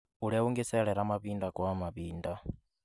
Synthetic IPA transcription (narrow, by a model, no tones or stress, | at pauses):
uɺɛuŋɡɛsɛɺɛɾamaβindakʼwamapiːnda